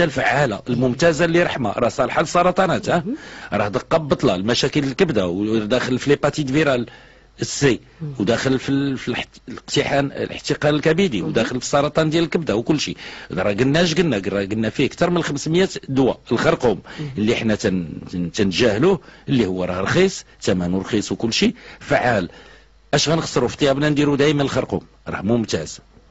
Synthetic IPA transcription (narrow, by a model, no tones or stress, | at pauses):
ælfʕalaʔəlmʊmt̪æzalːiɾˤɑħma̰ɾˤɑhsˤɑlħalsˤːɑɾˤɑt̪ˤɑnæt̪hæɾˤɑhd̪əqːɑbːət̪ˤlɑlmæʃækələlkəbd̪awd̪æxəlfilepɑt̪it̪viɾɑl | əsi | wd̪æxəlfifilləqt̪iħanlʔə̰ħt̪iqɑnəlkæbid̪iwd̪æxəlfi̥sˤːɑɾˤɑt̪ˤɑnd̪jæləlkəbd̪awkʊlːʃid̪ɾˤɑɡənːæʃ̬ɡənːæɡɾˤɑɡənːæfiəkt̪ɑɾˤmənxəmsməjæt̪d̪wæəlxɑɾˤquməlːiħnæt̪t̪ænʒæhluhəlːihʊwːæɾˤɑhɾˤxisˤ | t̪æmænuɾˤxisˤwkʊlːʃifaʕal | ʔæʃɣænəxsˤːəɾuft̪ˤːjɑbnænd̪iɾud̪æjmænəlxɑɾˤqṵm | ɾˤɑ̰hmʊmt̪æz̥